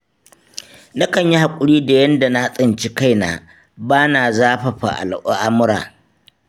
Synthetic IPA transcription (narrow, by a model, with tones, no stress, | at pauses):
na˦kɐ˨ɲji˦ha˨kʷʼʊ˦ɽiː˦da˨jɐ˦nda˨na˦ha˦sʼɪ˨nt͡ʃi˦ka˦˨jna̰ː˨ | baː˦naː˨zaː˦ɸɐ˨ɸa̰˨ʔa̰˨lʔo˦ʔa˦mʊ˦ɾa̰ː˨